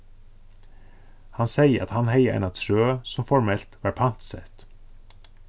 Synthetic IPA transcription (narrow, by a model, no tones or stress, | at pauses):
hɑnsæɪəɾʔɑ̰t̪hɑnhæɪəʔɛ̰ːnɑt̪ʰɾøːsɔmfɔɹmɛlt̪ʋɑːɾpʰɑnt̪sɛ̰t̪